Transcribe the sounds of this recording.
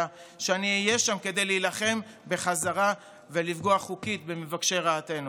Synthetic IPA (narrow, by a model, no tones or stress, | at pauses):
a | ʃeaniːjeʃamke̞d̪ejliːlaχe̞m | be̞χazaʁa | ve̞lifɡo̞aχukit̪be̞mevakʃe̞ʁaːte̞nu